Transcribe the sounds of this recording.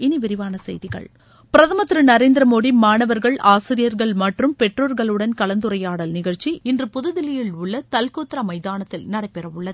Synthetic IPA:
ɪnɪʋɪɾɪʋaːnɐsɛ̰jðɪɣɐ̰ɭ | pɪɾɐðɐmɐt̪ːɪɾɯnɐɾeːnd̪ɪɾɐmoːɽimaːɳɐʋɐɾɣɐɭʔaːsɪɾɪjɐɾɣɐɭmɐʈrɯmpɛʈroːɾɣɐɭɯɽɐnkɐlɐnd̪ɯɾɐjaːɽɐlnɪɣɐɻt͡ʃiɪndrɯpʊðɯðɪlɪjɪlʊɭːɐt̪ɐlkoːt̪ːɪɾamɐɪjðaːnɐt̪ːɪlnɐɽɐɪpːɛɾɐʋʊɭːɐð

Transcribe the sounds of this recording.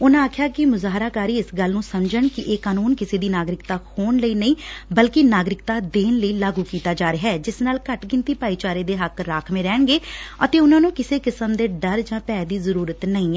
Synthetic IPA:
ʊnãaːkʰɪjaːkɪmʊzaːɦɾaːkaːɾiːɪsɡəlnũːsəmd͡ʒəɳkɪʔeːkaːnuːnkɪseːd̪iːnaːɡɾɪkt̪aːhʰoːɳləiːnəĩːbəlkinaːɡɾɪkt̪aːd̪eːnləiːlaːɡuːkiːt̪aːd͡ʒaːɾəɦɛːd͡ʒɪsnaːlkəʈɡɪ̃nt̪iːpaːiːt͡ʃaːɾeːd̪eːɦəkɾaːkʰmẽːɾɛːɳɡeːə̰t̪eːʊnãːnũːkɪseːkɪsəmd̪eːɖəɾd͡ʒãːpɛːd̪iːzəɾuːɾət̪nəĩːɛː

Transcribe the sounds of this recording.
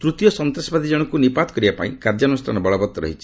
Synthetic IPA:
t̪ɾut̪jɔsɔnt̪ɾɔsɔbad̪ʱid͡ʒɔɽ̃ɔkunipat̪ɔkɔɾibapa̰ĩkaɾd͡ʒanustʰa̰nɔbɔɭɔbɔt̪ːɔɾɔ̰ɦit͡ʃʰi̥

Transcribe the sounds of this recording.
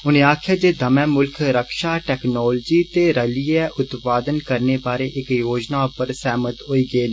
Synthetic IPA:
ʊnẽːaːkʰɪjaːd͡ʒeːd̪əmɛ̃ːmʊlkʰɾəkʃaːʈɛːknɔːld͡ʒiːt̪eːɾəliɛːʔʊt̪paːd̪ənkəɾneːbaːɾeːʔɪkjoːd͡ʒnaːʊpəɾsɛːmət̪ɦoːiːɡeːd̪

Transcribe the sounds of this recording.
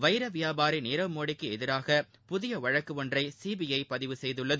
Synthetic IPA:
ʋɐɪɾɐʋɪjaːbaːɾinɪːɾɐʋmoːɽɪkːɯɛðɪɾaːɣɐ | pʊðɪjɐʋɐɻɐkːɯɔndrɐɪsiːbɪjɐɪpɐðɪʋɯsɛjðɯɭːɐð

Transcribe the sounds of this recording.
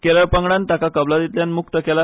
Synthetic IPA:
keɾəɭpəŋɡɽant̪akakəblad̪it̪ljanmuk̚t̪əkela

